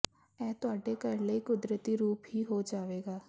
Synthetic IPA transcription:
ɛːt̪ʊaːɖekɐɾlekʊd̪ɾət̪iɾuːpɦiɦod͡ʒaːʋeːɡaː

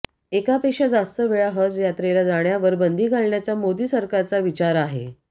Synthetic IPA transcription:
ekapekʂad͡zast̪əʋeɭaɦəd͡zjat̪ɾelad͡zaɽjaʋəɾbənd̪ʱiːɡʱalɳjat͡samod̪iːsəɾkaɾt͡saʋit͡ɕaɾaɦḛ

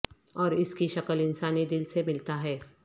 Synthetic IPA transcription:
ɔːɾɪskiʃɐkəlɪnsaːnid̪ɪlsemɪlt̪aɦɛː

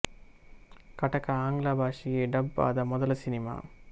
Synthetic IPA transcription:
kɐʈɐkːɐaːŋɡlaːbʱaːʂijeɖɐba̰ːd̪ɐmɔðɐlɐsɪnɪma̰ː

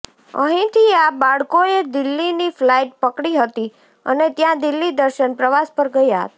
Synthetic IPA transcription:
ə̰ɦĩt̪ʰiabaɭkoed̪ɪlːiniflaiʈ̚pəkɽiɦət̪i | ə̰net̪jãd̪ɪlːid̪əɾʃənpɾəʋaspəɾɡəjaɦə̰t̪a

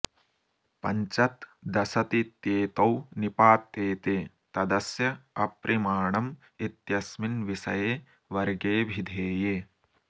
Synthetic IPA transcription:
pɐ̰ɲt͡ʃɐt̪d̪ɐsɐt̪it̪jeːt̪ɐwnipaːt̪ːeːt̪eː | t̪ɐd̪ɐsjɐɐpɾʔimaːɳɐm | it̪jɐsminʋisɐ̰jeː | ʋɐɾɡeːbʱid̪ʱeːjeː

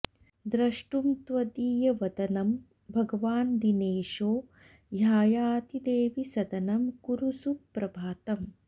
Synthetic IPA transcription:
d̪ɾɐʂʈumt̪ʋɐd̪iːjɐʋɐd̪ɐnɐm | bʱɐɡɐʋaːnd̪ineːʃoː | jaːjaːt̪id̪eːʋisɐd̪ɐnɐmkuɾusupːɾɐbʱaːt̪ɐm

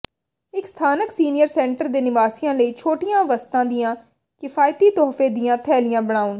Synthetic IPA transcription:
ɪkst̪ʰaːnəksiːnɪjəɾsɛ̃ːɳʈəɾd̪eːnɪʋaːsɪjãːləiːt͡ʃʰoːʈɪjãːʋəst̪ãːd̪ɪjãː | kɪfʰaːjt̪iːt̪ɔːfeːd̪ijãːt̪ʰɛːlɪjãːbəɽ̃aːʊn

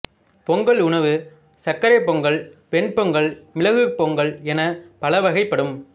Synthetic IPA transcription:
pɔŋɡɐɭʊɳɐʋɯ | sɐkːɐɾɐɪpːɔŋɡɐɭpɛɳpɔŋɡɐɭmɪlɐɣɯpɔŋɡɐɭɛnɐpɐlɐʋɐɣɐɪpːɐɽɯm

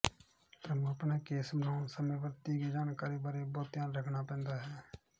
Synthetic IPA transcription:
t̪ɾəmũəpneːkeːsbənaːʊnsəmẽːʋət̪iːɡeːd͡ʒaːnkaːɾiːbəɾeːboːt̪ijãːɾəkʰnaːpɛ̃ːnd̪aːɦɛː

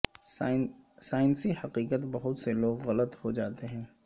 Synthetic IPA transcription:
saːɪnsihɐqiːqət̪bɐɦʊt̪seloːɡɣɐlət̪hod͡ʒaːt̪eɦɛ̃ː

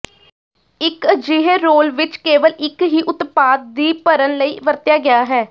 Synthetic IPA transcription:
ɪkd͡ʒɪɦeːɾoːlʋɪt͡ʃkeːʋəlɪkɦiːʔʊt̪paːd̪̚d̪iːpəɾənləiːʋəɾt̪jaːɡɪjaːɦɛː

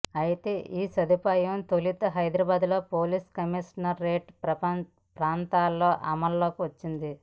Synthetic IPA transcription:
ɐjit̪e̞ːʔiːsɐd̪upaːjɐmt̪olit̪ɐɦɐjd̪ɾɐːbaːd̪ulo̞ːpoːliskɐmiʂnɐɾːeːʈpɾɐpɐ | pɾaːnt̪aːlːo̞ːʔɐmɐlːo̞ːkiʋɐt͡ʃːind̪i

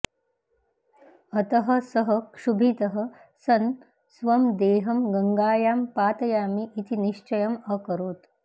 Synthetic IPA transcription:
ɐt̪ɐɦɐ̆sɐɦɐʂubʱit̪ɐɦɐ̆ | sɐn | sʋɐmd̪eːɦɐmɡɐŋɡaːjaːmpaːt̪ɐjaːmiʔːt̪iniʃt͡ʃɐjɐmɐkɐɾoːt̪

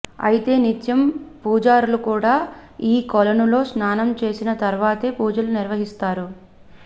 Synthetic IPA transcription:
ɐ̰jit̪e̞ːnit̪jɐmpuːd͡ʒaːɾulukuːɽaːiːkɔlɐnulo̞ːsnaːnɐmt͡ʃe̞ːsinɐt̪ɐɾʋaːt̪e̞ːpuːd͡ʒɐluniɾʋɐɦist̪aːɾu

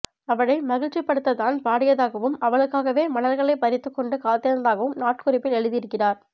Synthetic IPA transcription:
ɐʋɐɽɐɪmɐɣɪɻt͡ʃːɪpːɐɽɯt̪ːɐt̪aːnpaːɽɪjɐðaːɣɐʋɯmɐʋɐɭɯkːaːɣɐʋeːmɐnɐɾɣɐɭɐɪpɐɾɪt̪ːɯkːɔɳɖɯkaːt̪ːɪɐnɐðaːɣɐʋɯmnaːʈkʊrɪpːɪlɛɻɯðɪɪɾɯkːɪraːɾ

